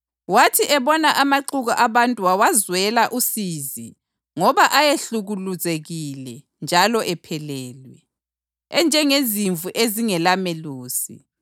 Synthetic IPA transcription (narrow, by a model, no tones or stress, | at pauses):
watʰiʔɛβɔnaʔamaǃuɣaʔaβantʼuawazwɛlaʔusiːzi | ŋɔβaʔajeɬuɣuluzeɣilɛ | nd͡ʒʱalɔʔɛpʰɛlɛːlwɛ | ɛnd͡ʒʱɛŋeziɱvʱuʔeziŋɛlameluːsḭ